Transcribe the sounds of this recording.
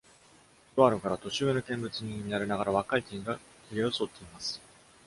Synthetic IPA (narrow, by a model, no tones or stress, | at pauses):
oβaɾɯ̟kaɾat̪o̞ɕɨβenokẽ̞mbɯ̟t͡sɨɲ̟iinaɾʲenaɡaɾaβakait̪eɡa | kʲiɾʲeoso̞ːt̪ːe̞imasɨ̥